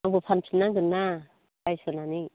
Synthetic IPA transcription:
aŋbopʰanpʰinaɡɯɾna | bajsɔnani

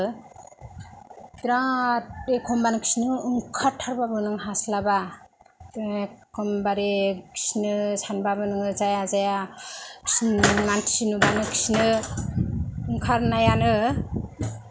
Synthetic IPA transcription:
tɾatekʰɔmbanɯkʰi̥snɯɯŋkʰaɾtʰːaɾbabɯnɯŋɦaslaba | kʰɯmbaɾikʰi̥snɯsanbabɯnɯzajazajakʰsmantʰisinubanɯkʰi̥sinɯ | ɯŋkʰaɾnajanɯ

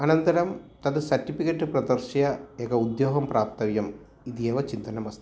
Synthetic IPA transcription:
ɐnɐnt̪ɐɾɐmt̪ɐðɨsɐɾʈːifikɐʈːɨprɐd̪ɐrʂjɐekɐud̪joːɡɐmpraːp̚t̪ɐʋjɐm | iðijɐʋɐt͡ɕint̪ɐnɐmɐst̪ɐ

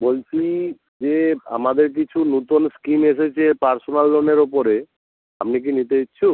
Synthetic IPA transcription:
bolt͡ɕʰi | d͡ʑea̰mad̪eɾk̬it͡ɕʰunut̪onskimeʃet͡ɕʰepaɾsonalːoneɾopoɾe | a̰mnik̬init̪eitːt͡ɕʰu

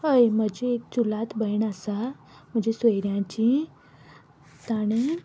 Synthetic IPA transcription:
ɦəjm̤əd͡ʑeːk̚t͡ɕulat̪bəjɳəsam̤əd͡ʑesʋəjɾjãt͡ɕi | t̪aɽ̃e

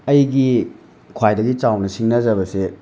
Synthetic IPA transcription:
ɐjɡi | kʰwajdɐɡit͡ʃawnɐsiŋnɐzɐbɐse

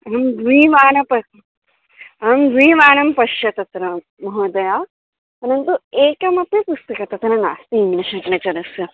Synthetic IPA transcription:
ɐɐmɡʋiːʋaːnɐpɐ | ɐmɡ̪ʋiːʋaːnɐmpɐʃjɐt̪ɐt̪ɾɐ | mɐɦoːd̪ɐjaː | ɐnɐnt̪ueːkɐmɐpjɐpust̪ɐkɐt̪ɐt̪ɐnɐna̰ːst̪iimnɐʃɐnɐkɐnɐt͡ʃɐnɐsjɐ

